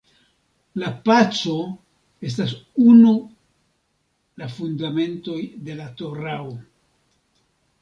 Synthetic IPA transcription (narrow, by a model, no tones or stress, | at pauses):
lapat͡so̞ | e̞s̬tas̬unu | lafundame̞nto̞jde̞lato̞ɾao